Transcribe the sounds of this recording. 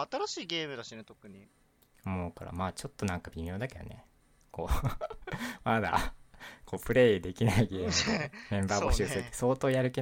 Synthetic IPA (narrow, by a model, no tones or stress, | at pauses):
at̪aɾaɕiːɡe̞ːmɯ̟d̪aɕinet̪okɯ̟ɲ̟i | moːka̰ɾa̰maːt͡ɕo̞t̪ːo̞nãŋkab̥ʲimʲjo̞ːd̪ake̞d̪a̰ne̞̰ | ko̞ː | mad̪a̰ko̞ːpɯ̟ɾe̞d̪e̞kʲinaiɡe̞ːmemẽ̞mbaːbo̞ɕɨːsɨɯeso̞ːt̪o̞ːjaɾɯ̟ke